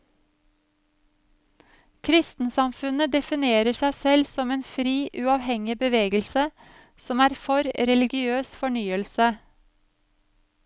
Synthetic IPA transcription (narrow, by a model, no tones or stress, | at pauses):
kʰɾɪst̪n̩sɑmfʉnəd̪ɛfɪneːɾəsæɪsɛlsɔmeːnfɾiːʔʉɑːʋhɛŋɪbəʋeːɡəlsə | sɔmæːɾfɔɾɾɛlɪɡɪøːsfɔɳyːəlsə